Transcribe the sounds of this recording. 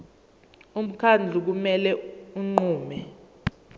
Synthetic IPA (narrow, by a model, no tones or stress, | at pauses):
um̩kʰand͡ɮʱuk̬umɛlɛuŋ͡ǃuːmɛ